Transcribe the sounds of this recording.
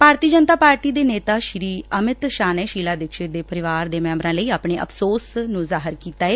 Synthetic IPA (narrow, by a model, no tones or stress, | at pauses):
bʱaːɾt̪iːəd͡ʒənt̪aːpaːɾʈiːd̪eːneːt̪aːʃɾiːəmɪt̪ʃaːnɛːʃiːlaːd̪ɪkʃɪd̪eːpəɾɪʋaːɾd̪eːmɛ̃ːmbɾãːləiːaːpɳ̃eːʔə̰pʰsoːsnũzaːɦəɾkiːt̪aːeː